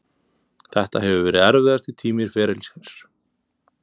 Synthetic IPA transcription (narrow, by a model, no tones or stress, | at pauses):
θɛht̪aɦɛvʏvɛːɾɪðɛɾvɪðast̪ɪt̪ʰiːmɪɾ̥fɛːɾɪlsɛs